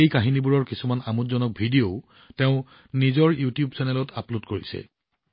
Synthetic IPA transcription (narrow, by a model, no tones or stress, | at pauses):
ejkaɦinibuɹɔɹkisumanamutzɔnɔk̚bʱidijoʊ | teʊ̃ | nizɔɹjutijubsʰɛnɛlɔtʰapludkoɹḭsɛ̰